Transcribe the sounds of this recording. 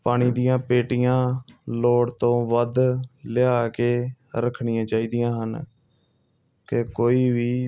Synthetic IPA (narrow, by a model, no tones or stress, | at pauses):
paːɽ̃iːd̪ijãːpeːʈijãːloːɽt̪õːʋəd̪lɪaːkeː | ɾəkʰɳɪjãːt͡ʃaːiːd̪ijãːɦən | kekoːiːʋiː